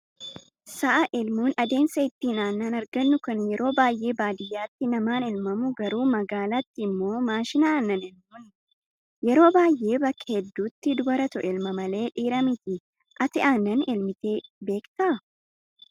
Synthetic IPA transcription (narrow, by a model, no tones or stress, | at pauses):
sɐʔɐʔɛlmuːnɐd̪e̞ːnsɐɪt̪ːiːnaːnːɐnɐɾɡɐnːʊkɐnjɛɾʔo̞ːbaːjʔe̞ːbaːd̪ɪjːaːt̪ːɪnɐmaːnɛlmɐmʊɡɐɾuːmɐɡaːlat̪ːɪɪmːo̞ːmaːʃɪnaːɐnːɐnɛlmuːn | jɛɾo̞ːbaːjʔe̞ːbɐkːɐhɛd̪ːuːt̪ːɪd̪ʊbɐɾɐt̪ɔʔɛlmɐmɐle̞ːᶑiːɾɐmɪt̪ɪ | ʔɐt̪ɪʔaːnːɐnɛlmɪt̪e̞ːbe̞ːkt̪ɐʔɐ